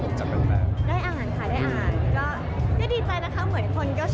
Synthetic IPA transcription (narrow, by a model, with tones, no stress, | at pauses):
t͡ɕa˨˩p̚ːa˧pa̰ː˨˩daː˥˩jʔaː˧haː˩˦nkʰaː˨˧˩daː˥˩jʔaː˧ɦaː˩˦nkɔː˥˩ | kɯː˥˩diː˧t͡ɕa˧jna˦˥kʰa˥˩mɯ˩˦ənkʰo˧nkɔː˥˩